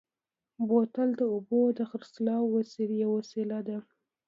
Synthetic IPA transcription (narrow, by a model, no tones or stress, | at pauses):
bot̪ald̪əʊbod̪əxəɾslɑwwasiljawasilad̪a